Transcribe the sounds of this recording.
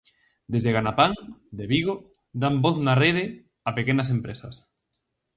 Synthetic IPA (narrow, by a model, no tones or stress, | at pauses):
d̪ezðeɣanapaŋd̪eβiɣo | d̪amboθnareðe | apekenas̬empɾesɐs